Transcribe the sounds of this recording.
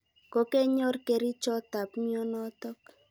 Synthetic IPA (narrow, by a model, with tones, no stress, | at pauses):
ko˦ke˦ɲo˦rke˨ɾi˦t͡ʃɔ˦ta˨pmi˦ɔ˦nɔ˦tɔ˦k̚